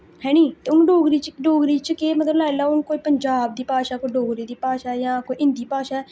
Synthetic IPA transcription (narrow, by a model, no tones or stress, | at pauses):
ɦɛːɽ̃iːt̪eːʊnɖoːɡɾiːt͡ʃəɖoːɡɾiːt͡ʃəkeːmət̪ləblaːlaːʊnkoːiːpəɲd͡ʒaːb̚d̪iːpaːʃaːkoiɖoːɡɾiːd̪iːpaːʃaːjãːkoːiʔɪ̃nd̪iːpaːʃaːɛ